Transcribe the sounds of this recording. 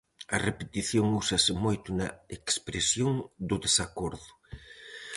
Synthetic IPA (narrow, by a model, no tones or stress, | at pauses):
ɐrepet̪iθjoŋusɐsɪmojt̪ʊnɐekspɾesjoŋd̪ʊðesakoɾðʊ